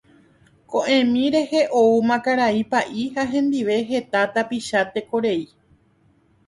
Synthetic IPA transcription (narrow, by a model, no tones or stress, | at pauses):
kõʔẽ̞mĩɾe̞he̞ʔoumãkaɾaipaʔihaɦẽ̞nd̪iʋe̞ɦe̞t̪at̪apiʃat̪e̞ko̞ɾe̞i